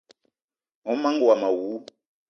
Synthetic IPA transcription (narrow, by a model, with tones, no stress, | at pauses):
ɔ˨˦ma˦ŋɡwa˨ma˨wu˨˦